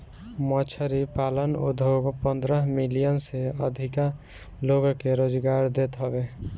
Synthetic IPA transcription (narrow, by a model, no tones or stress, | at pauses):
mɔt͡ʃʰəɾipalənṵd̪ʱoɡpənd̪ɾəɦmilijənseə̰d̪ʱika | loɡkeɾoːd͡ʒɡaɾd̪et̪ɦɔbe